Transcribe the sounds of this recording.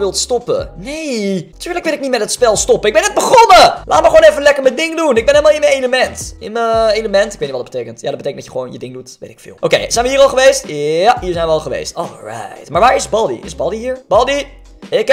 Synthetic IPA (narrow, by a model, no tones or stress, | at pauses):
ʋɪlˠtstɔpə̰nejtyːɹləkʋɪlɪk̚nitmɛtɦətspɛlˠstɔpəɪɡ̚bɛnəd̚bəχɔnəla̰ːtməχʋownɛfənlɛkəɹmədɪŋdunɪɡ̚bɛnɦɛlmalˠɪnmənejləmɛntɪnməejləmɛntɪkʋejtniʋɔdɑdbətejkəntja̰dɑdbətejkəndɑjəχəʋownjədɪŋdutʋḛjtɪ̥kfɪ̰ːlˠʔowkejzɛjnʋəɦiːɾɑlˠχəʋejstaɦiːɹzɛjnʋəɑlˠχəʋḛjstɔ̰lˠɹa̰jtmaːɹʋaːɹɪzbɑdḭʔɪ̰zbɑdiɦiːɹbɑdi | ɪk